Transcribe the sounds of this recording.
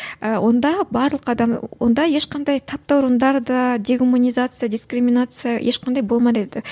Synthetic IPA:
əwʔo̞nd̪ɑbɑɾlˠəqɑd̪ɑmwʔo̞̰nd̪ɑje̞ʃqʰɑnd̪ɑjt̪ʰɑp̚t̪ɑwʊɾənd̪ɑɾd̪ɑd̪ʲe̞ɡumunʲizat̪sɨjadʲiskɾimʲinat̪sɨjajʔeʃqʰɑnd̪ɑjbo̞lˠmɑd̪ed̪ɪ

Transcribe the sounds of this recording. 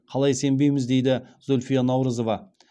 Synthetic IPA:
qʰɑlˠɑjse̞mbe̞jmɪzd̪e̞jd̪ɪzolʲfijanɑwɾəzo̞vɑ

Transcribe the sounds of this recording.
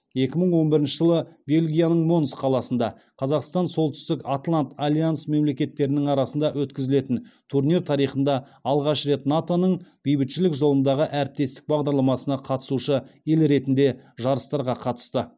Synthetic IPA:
je̞kʲɪməɴwo̞nbɪɾɪnʃəʒəlˠəbe̞lʲɡʲijanəɴmo̞nsqʰɑlˠɑsənd̪ɑ | qʰɑzɑqst̪ɑnso̞lˠt̪ʏ̥st̪ɪkat̪lˠant̪alʲijansme̞mle̞kʲe̞t̪ːe̞ɾɪnɪŋɑɾɑsənd̪ɑwɵt̪kʲɪzɪle̞t̪ɪnt̪ʰurniɾt̪ʰɑɾijχənd̪ɑ | ɑlˠʁɑʃɾe̞t̪nat̪o̞nəɴb̥ijbɪt̪ʃɪlɪkʒo̞lˠənd̪ɑʁəʔæɾɪp̚t̪e̞st̪ɪk̚bɑʁd̪ɑɾlˠɑmɑsənɑqʰɑt̪ə̥suʃəelɾe̞t̪ɪnd̪e̞ʒɑɾəst̪ɑɾʁɑqʰɑt̪ə̥st̪ə

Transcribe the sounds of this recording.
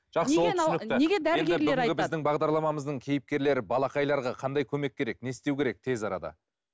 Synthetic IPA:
ʒ̥ɑqsəwolˠsɪnɪk̪ɪneɡʲed̪æenʲɡ̪ɪlʏeɡʲɪbɪzd̪ɪŋbɑʁd̪ɑɾlˠɑmɑməzd̪əɴkʲʰe̞jɪp̚kʲe̞ɾle̞ɾɪbɑlˠɑqɑjlˠɑɾʁɑqʰɑnd̪ɑjkʲʰɵme̞kʲːe̞ɾe̞kne̞st̪e̞wkʲeɾe̞k̚t̪ʰe̞zɑɾɑ̰d̪ɑ̰

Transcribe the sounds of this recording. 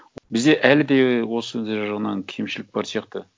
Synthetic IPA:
bɪzd̪eʔælɪd̪ewo̞səʒɑʁənɑnkʲʰe̞mʃɪlɪk̚bɑɾsijɑqt̪ə

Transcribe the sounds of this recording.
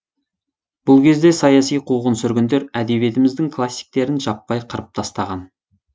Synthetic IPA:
b̥ʊlˠkʲʰe̞zd̪e̞sɑjɑsijqʰuʁənsʏɾɡʲɪnd̪e̞ɾæd̪e̞bie̞t̪ɪmɪzd̪ɪŋkʰlˠasʲːi̥jk̚t̪e̞ɾɪnʒɑpːɑjqʰəɾəp̚t̪ʰɑst̪ɑʁɑn

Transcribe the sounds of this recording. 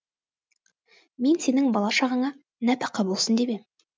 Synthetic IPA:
me̞nse̞nɪŋbɑlˠɑʃɑʁəɴɑ | næt̪ɑqːɑbolˠsənd̪ebem

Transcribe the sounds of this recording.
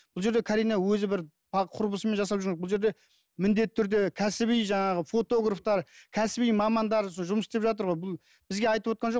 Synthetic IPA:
b̥ʊlˠʒe̞ɾd̪e̞kʰɑɾijnɑwɵzɪbɪɾ | pʰɑqʰʊɾpəsəme̞nʒɑsɑpʒʏɾɡŋebʊlˠʒe̞ɾd̪e̞ | mɪnd̪e̞t̪ːɪt̪ʰʏɾd̪e̞kʲʰæsɪβijʒɑɴɑʁəfo̞t̪o̞ɡraft̪ɑɾkʲʰæsɪbijmɑmɑnd̪ɑɾoʒʊməsɪst̪epʒɑt̪̬əɾʁojbʊlˠ | b̥ɪzɡʲe̞ɑjt̪əpwo̞t̪qɑnʒo̞

